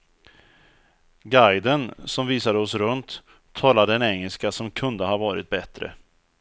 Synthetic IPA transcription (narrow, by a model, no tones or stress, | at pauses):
ɡajd̪ənsɔmviːsad̪əɔsɾɵnt̪ʰː | ɑːlad̪əɛnɛŋːəlskasɔmkʰɵnd̪əhɑːvɑːɾɪt̪̚bɛt̪ɾə̰